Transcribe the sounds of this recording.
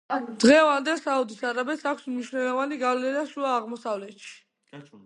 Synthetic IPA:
d̪̥ʁɛvand̪ɛlˠsaud̪isaɾabɛt̪sakʰʷsmniʃwnɛlˠɔvaniɡavlɛnaʃuaːʁmɔsavlɛt̪ʃi̥

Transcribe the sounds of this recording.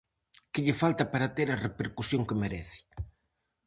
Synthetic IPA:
kɪʎɪfalt̪ɐpaɾat̪eɾɐrepeɾkusjoŋkemeɾɛθɪ̥

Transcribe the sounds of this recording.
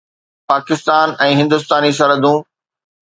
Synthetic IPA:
paːkɪst̪aːnɛ̃ːɦɪ̃nd̪ʊst̪aːnis̬ɐɾəd̪ũ

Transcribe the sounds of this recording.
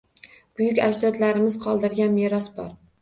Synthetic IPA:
b̥ʊjʊkʲaʃd̪ɒt̪laɾɪmɪzqʰɒlˠd̪ɪɾɡʲanmeɾɒsbɒ̰ɾ

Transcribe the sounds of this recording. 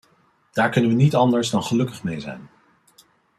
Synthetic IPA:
d̥aːɹkɵnənʋənitɑndəɹzdɑnχəlɵkəχmejzɛ̰jn

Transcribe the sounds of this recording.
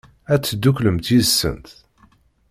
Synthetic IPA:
æt͡sːd̪ːukləmt̪jiðəsːə̰nt̪

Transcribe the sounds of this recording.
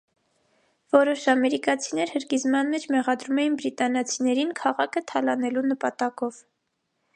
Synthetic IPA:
vɔɾɔʃɑmɛɾikɑt͡sʰinɛɾhəɾkizmɑnmɛt͡ʃʰmɛʁɑd̪ɾumɛjinbɾit̪ɑnɑt͡sʰinɛɾinkʰɑʁɑkʰət̪ʰɑlɑnɛlunəpɑt̪ɑkɔv

